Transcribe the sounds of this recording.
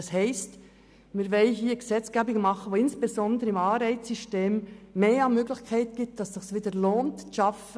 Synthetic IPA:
ɑshɛɪst | mɪːɾvɛlɦiːɡ̥esɛt͡sɡ̥ɛːbɪŋəmɑχəʋoɪnsb̥ezɔndəɾəɪmɑːɾæɪt͡ssyʃteːmːeːɑnmøːɡlɪçkʰæɪtɡ̥ɪp̚td̥ɑssɪχsʋiːdəloːntʃɑfə

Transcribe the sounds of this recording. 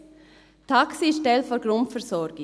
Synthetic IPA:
tʰaksiʃtɛlfɔɾɡ̥ɾʊntfɛɾsɔɾɡ̥ɪ

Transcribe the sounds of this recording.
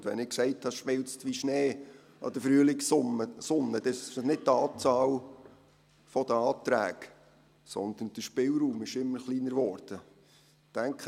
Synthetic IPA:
dʋɛ̰nɪksɛɪthɑʃmɪlt͡stʋiʃneː | ʔɑ̰d̪̥əfɾyəlɪksəsʊnːəd̥̪ɛnɪt̚tːɑːt͡sɑːl | fɔd̥̪əɑːt̪ɾæ̰ːɡ | sɔ̰nd̪ənd̥əʃpɪlɾuːmɪʃɪmːəɾχliːnəɾʋɔːɾd̥ə | d̥æŋkχə

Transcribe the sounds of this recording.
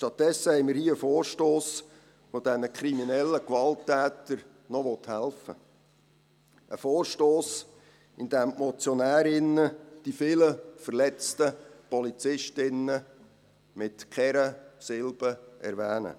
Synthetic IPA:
ʃtɑt̚dɛsːəhɛɪmɪːɾhiːəfɔoːrʃtoːs | fod̥ɛnəkʰɾiminɛlːəkʋɑltːæːt̪əɾ | nɔʋɔt̪hælfə̰ | ʔəfɔːrʃtoːs | ɪnd̥̪æːmmɔt͡sjɔnæːɾɪnːəd̥ifɪləfərlɛt͡stəpɔlit͡sɪʃtɪnə | mɪtkʰɛɾəsɪlb̥əʔɛ̰ɾʋæːnə̰

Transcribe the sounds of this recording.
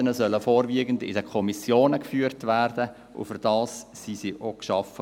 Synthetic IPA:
ənəzœləfoːɾʋiəɡən̩dɪ̰dəkʰɔmisjoːnəkfyːɾtʋærd̥ə | ʔʊ̰fʏɾd̥ɑːssisiʔokʃɑfə

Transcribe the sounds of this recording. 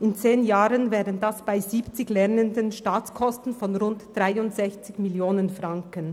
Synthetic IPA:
ɪnt͡seːnjaːʁənvɛːʁənd̥asb̥aɪziːpt͡sɪçlɛʁnəndənʃtaːt͡skʰɔstn̩fɔnʁʊntd̥ʁaɪʊntz̥ɛçt͡sɪçmɪljoːnənfʁaŋkən

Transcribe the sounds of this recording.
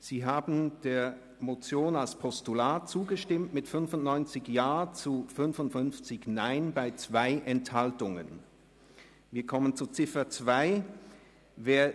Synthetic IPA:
z̥iːɦaːbn̩d̥eːɐ | mot͡sjoːnalspʰɔstulaːtt͡suːɡəʃtɪmtmɪtfʏnfʊntnɔʏnt͡sɪçjaːt͡sufʏnfʊntfʏnft͡sɪçnaɪnbaɪt͡sv̥aɪʔɛnthaltʊŋə̰n | viːɐkʰɔmənt͡sut͡sɪfɐt͡sv̥aɪ | veːɐ

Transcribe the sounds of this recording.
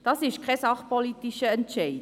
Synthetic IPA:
d̥ɑsɪʃkʰɛsɑχpolitiʃəəntt͡ʃej

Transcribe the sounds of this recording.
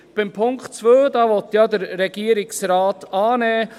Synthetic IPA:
b̥ɪmpʰʊŋktt͡sʋøːd̪ɑʋɔt̪jɑd̪əɾːɛɡ̥iəɾɪksɾɑːtɑːnɛː

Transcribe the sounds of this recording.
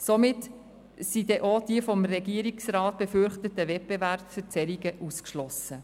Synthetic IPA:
somɪt | sid̪ɛʔod̥iəfɔmrɛɡiəɾiksrɑːt̚b̥efʏɾχtətəvɛt̚b̥evæɾpfət͡sɛɾiɡəʔuskʃlɔsə

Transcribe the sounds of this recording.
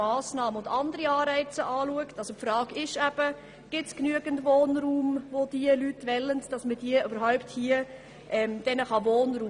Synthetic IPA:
ɑːsnɑːməʊndɑndəɾiɑːɾɛɪt͡səʔɑːluəktɑlsopfɾɑːɡɪʃæb̥ə | ɡ̥ɪtsknyəɡəntʋoːnɾuːmvod̥iəlytʋɛləntd̥ɑsməd̥iəʔøbəɾɦaʊpthiə | ʔɛmd̥ɛnəχɑvoːnɾuː

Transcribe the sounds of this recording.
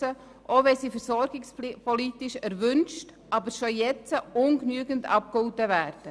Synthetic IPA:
ə | ʔoʋɛsiːfəɾsɔɾɡɪkspʰɔlitɪʃæɾʋʏnʃt | ʔɑbəɾʃojɛt͡səʊnknyəɡəntɑ̰p̚kʊltəʋæːɾd̥ə

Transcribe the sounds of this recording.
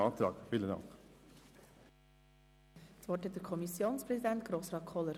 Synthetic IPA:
ɑːt̪ɾɑ̰ːɡʋɪlənɑ̰k | sʋɔthɛt̚dəɾkʰɔmisjoːnspɾɛsid̪ænt̪̚ɡ̥ɾoːsɾɑːkʰɔlːəɾ

